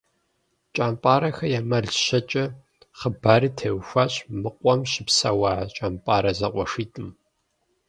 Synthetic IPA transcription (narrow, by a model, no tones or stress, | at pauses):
t͡ʃʼaːmpʼaːɾɐxɐjaːmɐɮɕɐt͡ʃʼɐ | χəbaːɾitʰeːwxʷaːɕʼmɨqʷʼɔmɕɪpsawaːt͡ʃʼaːmpʼaːɾɐzɐqʷʼɔʂiːtʼɨm